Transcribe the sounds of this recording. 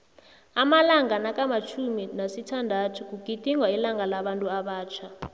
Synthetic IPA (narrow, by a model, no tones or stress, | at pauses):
amalaŋanakʼamat͡ʃʰuminasitʰandʱatʰuk̬ʼukitʼiŋwailaŋalaɓantʼuaɓaːt͡ʃʰa